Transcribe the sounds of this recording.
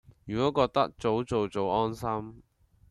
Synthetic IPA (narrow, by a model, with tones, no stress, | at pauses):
jyː˨˩kɔː˨˥kɔː˧k̚t̪ɐ˥k̚t͡so˨˥wt͡so˨wt͡so˨wɔː˥nsɐ˥m